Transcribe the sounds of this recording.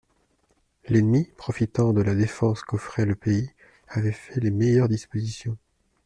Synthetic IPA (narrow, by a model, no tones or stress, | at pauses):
lɛnmipχɔfit̪ɑ̃d̪əlad̪efɑ̃skɔfχɛləpei | avɛfɛlemejœʁd̪ispozisjɔ̃